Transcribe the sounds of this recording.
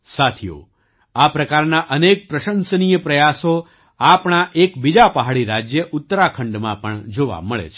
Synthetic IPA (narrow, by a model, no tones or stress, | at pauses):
sat̪ʰijo̰ | apɾəkaɾnaʔənek̚pɾəʃənsənijəpɾəjaso | apɳ̃aʔekbid͡ʒapəɦaɭiɾad͡ʒjəʔʊt̪ːəɾakʰəɳɖmãpəɳd͡ʒoʋa̰məɭḛt͡ʃʰe